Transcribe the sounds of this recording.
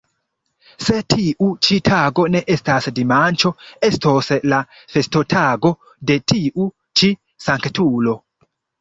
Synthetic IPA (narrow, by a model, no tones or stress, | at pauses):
se̞tʰiʔut͡ʃitʰaɡo̞ne̞ʔe̞stasdimant͡ʃo̞e̞stosla | fe̞sto̞tʰaɡo̞ | de̞tiʔu | t͡ʃi | saŋktulo̞